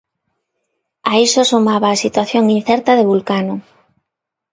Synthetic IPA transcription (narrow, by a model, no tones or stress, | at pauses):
aisosumaβaːsit̪waθjoŋin̟θɛɾt̪aðeβulkano